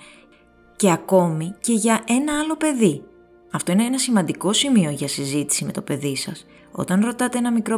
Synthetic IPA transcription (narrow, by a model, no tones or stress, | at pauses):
ce̞ɐko̞mice̞ʝɐʔe̞nɐɐlo̞pe̞ði | ɐft̪o̞ineenɐsimɐnd̪iko̞simio̞ʝɐsizit̪i̥sime̞t̪o̞pe̞ðisɐs | o̞̰t̪ɐnɾo̞t̪ɐt̪e̞enɐmikɾo̞